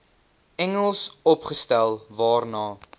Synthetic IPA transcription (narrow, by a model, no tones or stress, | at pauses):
ɛŋəlˠsɔpχəstælˠvɑːrnɑː